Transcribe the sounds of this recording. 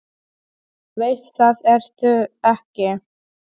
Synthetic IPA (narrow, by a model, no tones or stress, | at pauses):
vejt̪θaðɛɾ̥t̪ʏɛhcɪ